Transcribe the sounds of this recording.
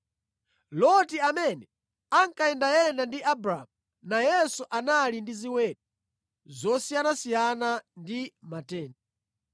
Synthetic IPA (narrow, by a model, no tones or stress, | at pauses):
lɔtiamɛnɛ | aŋkaɛndajɛndandiʔabɾa̰mu | najɛsuʔanalindiziwɛːt̚u | zɔsijanasijanandimatɛːnɛ